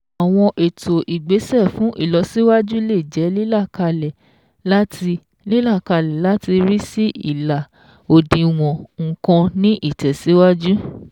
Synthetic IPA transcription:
a˨w̃ɔ̃˧ʔe˨tʰo˨ʔi˨ɡ͡be˨˦sɛ˦˨fũ˨˦ʔḭ˦˨lɔ˨˧˦si˦wa˦d͡ʒu˦le˦˨d͡ʒɛ˨˦li˦la˦˨ka˧lɛ˨ | la˦ti˧ | li˦la˦˨ka˧lɛ˨la˨˦ti˧ɾi˦si˦ḭ˦˨la˨ | o˨dĩ˧w̃ɔ̃˨ŋ̩˨kɔ̃˧nĩ˦ʔi˦˨tɛ˨si˨˦wa˦d͡ʒu˦

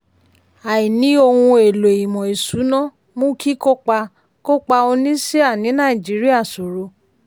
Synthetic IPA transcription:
a˨i˨nĩ˨˦o˧hũ˧e˨lo˨e˨ji˨mɔ̃˨e˨su˨˦nɔ̃˦ | mũ˦kʰi˦ko˦k͡pa˧ | ko˦k͡pa˧o˧nĩ˦se˦a˦˨nĩ˨˦nã˦˨i˨d͡ʒi˨˦ɾi˦a˦˨so˨ɾo˧

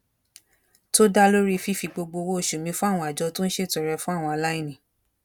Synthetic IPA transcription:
to˦da˦lo˦ɾi˦˧fi˦fi˧ɡ͡bo˧ɡ͡bo˧wo˦o˦˨ʃu˨mĩ˧fũ˦a˦˨w̃ɔ̃˧˦a˨d͡ʒɔ˧˦tũ˦n̩˦ʃe˦˨tɔ˨ɾɛ˧fũ˦a˦˨w̃ɔ̃˧a˨la˦i˦˨nĩ˨

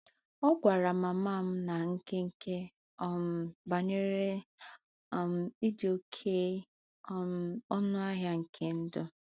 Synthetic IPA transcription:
ɔ˦ɡʷa˨ɾa˨ma˨m˦a˦˨m̩˦na˨ŋ̩˦ke˦ŋ̩˦kʰe˦ | ɔ˦m˨ba˨ɲe˦ɾe˦˨ | m̩˨i˦do˨kʰe˦ | ɔ˦nʊ˦a˦ɦja˦ŋ̩˨kʰe˦n̩˦dʊ˦

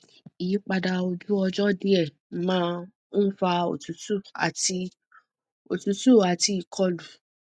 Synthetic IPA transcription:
i˨i˨˦k͡pa˧da˧o˧d͡ʒu˦ɔ˧d͡ʒɔ˦di˦ɛ˦˨ | mãː˦ | fa˧o̰˨tu˨˦tu˦˨a̰˨ti˧ | o˨tu˨˧˦tu˦˨a˨ti˧˦i˦˨kʰɔ˦lu˨

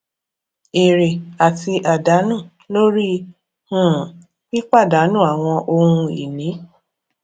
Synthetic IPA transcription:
e˨ɾe˨a˨ti˧ʔa˨da˨˦nũ˦˨ | lo˦ɾi˦ | hũ˦˨ | ki˦k͡pa˦˨da˨˦nũ˦˨a˨w̃ɔ̃˧ʔo˧hũ˧ḭ˨nĩ˨˦

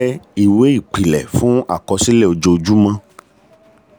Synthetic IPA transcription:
ɛ˦i˦˨we˨˦i˦˨k͡pi˨lɛ̰˨fũ˦a̰˦˨kɔ˧si˦lɛ˦˨o˧d͡ʒo˧o˧d͡ʒu˦mã˧

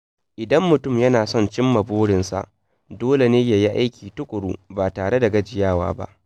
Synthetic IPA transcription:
ʔɪ˨dɐ˦mːʊ˨tʊ˦˨mjɐ˦naː˨sɔ˦˨nt͡ʃɪ˦mːɐ˨boː˦ɽɪ˨nsa̰˨ʔ | doː˦le˨neː˦ja˨ji˦ʔa˦jkʲʰiː˨tʊ˦kʷʼʊ˨ɽṵː˦baː˨taː˨ɽe˦da˨ɡɐ˦d͡ʒɪ˨jaː˦˨wa̰ː˦ba̰˦ʔ

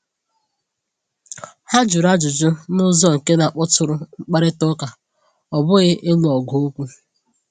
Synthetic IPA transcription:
ha˦d͡ʒʊ˨ɾa˦d͡ʒʊ˨d͡ʒʊ˦nʊ˦zɔ˦ŋ̩˨ke˦na˨k͡pɔ˦tʊ˨ɾʊ˦ŋ͡m̩˦k͡pa˦ɾɪ˦tʊ˦ka˨ | ɔ˨bʊ˦ɣɪ˦ʔe˦lu˨ɔ˨ɡo˦o˦kʷu˦

